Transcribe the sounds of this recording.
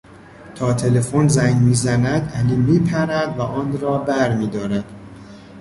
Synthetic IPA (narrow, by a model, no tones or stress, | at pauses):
t̪ʰɒːt̪ʰe̞le̞fonzæŋmiːzænæd̪æliːmiːpʰæɾæd̪væʔɒːnɾɒːbæɾmiːd̪ɒːɾæd̪̥